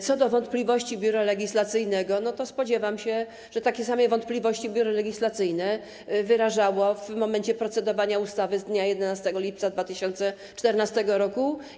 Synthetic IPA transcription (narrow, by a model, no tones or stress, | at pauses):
t̪sɔd̪ɔvɔnt̪plʲivɔɕt͡ɕibʲjuɾalɛɡʲislat̪sɘjnɛɡɔnɔt̪ɔspɔd͡ʑɛvamɕɛ | ʐ̥ɛt̪akʲɛsamɛvɔnt̪̚plʲivɔɕt͡ɕibʲjuɾɔlɛɡʲislat̪sɘjnɛ | vɘɾaʐawɔvmɔmɛnt͡ɕɛpɾɔt̪sɛd̪ɔvaɲaust̪avɘzd̪ɲajɛd̪ɛnast̪ɛɡɔlʲip̚t̪sad̪vat̪ɘɕɔnt̪sɛ | t͡ʂt̪ɛɾnast̪ɛɡɔɾɔku